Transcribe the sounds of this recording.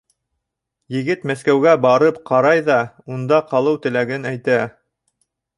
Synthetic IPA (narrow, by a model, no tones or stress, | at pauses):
jɘ̆ɡɘt̪mæskæwɡæbɑɾɤpqɑɾɑjðɑ | und̪ɑqɑlˠɤwt̪ɘ̆læɡɘnæjt̪æ